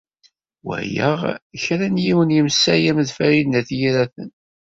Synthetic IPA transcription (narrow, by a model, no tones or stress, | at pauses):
wə̰jə̰ʁçɾænjiwənjəmsːæjæmðfæɾidnæθjiɾæθə̰n